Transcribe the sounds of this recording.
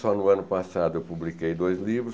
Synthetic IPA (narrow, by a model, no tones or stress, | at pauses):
sɔnʊɐ̃nʊpasad̪ʊewwpublikejd̪ojzlivɾʊ